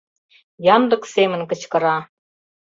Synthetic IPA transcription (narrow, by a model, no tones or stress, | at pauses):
jɑnd̪ɤ̆ksemɘ̆nkɤ̆t͡ɕkɤ̆ɾɑ